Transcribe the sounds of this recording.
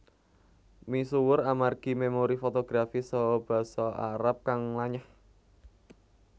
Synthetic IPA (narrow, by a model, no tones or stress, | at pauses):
misuwʊramarɡ̥i̤memoɾifot̪oɡ̥ɾafisɔb̥ä̤sɔʔaɾap̚kaŋlaɲəh